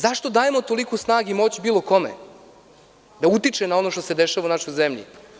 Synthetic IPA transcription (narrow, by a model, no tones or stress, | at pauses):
zaʃt̪o̞d̪aːjemo̞t̪o̞likusnaːɡeimo̞ːt͡ɕbiːlˠoko̞mḛ | d̪aut̪it͡ʃenao̞no̞ʃt̪o̞se̞d̪eʃaʋaunaʃojzemʎḭ